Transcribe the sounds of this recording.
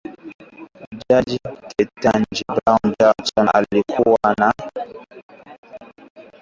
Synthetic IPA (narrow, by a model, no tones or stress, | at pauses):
d͡ʒad͡ʒikʰetːand͡ʒibɾaŋd͡ʒat͡sɔna̰likʰuwana